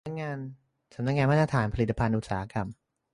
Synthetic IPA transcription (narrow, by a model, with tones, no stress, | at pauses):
a˥k̚ŋaː˧n | sa˩˦na˦˥k̚ŋaː˧nmaː˥˩t̪ɾa˧t̪ʰaː˩˦npʰa˧li˨˩t̪ːa˧pʰa˧nʔu˨˩t̪saː˩˦a˦˥ka˧m